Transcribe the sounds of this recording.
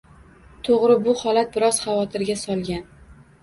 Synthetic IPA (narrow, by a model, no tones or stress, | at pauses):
t̪ʰoʁɾɪbʊhɒlat̪̚bɪɾɒz̥χɑvɒt̪ʰɪɾɡʲasɒlˠɡʲan